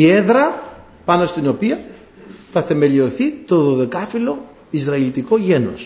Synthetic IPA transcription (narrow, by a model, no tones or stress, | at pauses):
ieðɾɐ | pɐno̞st̪ino̞piɐ | θɐθe̞me̞lio̞θit̪o̞ðo̞ðe̞kɐfilo̞ | izɾɐilit̪iko̞ʝe̞no̰s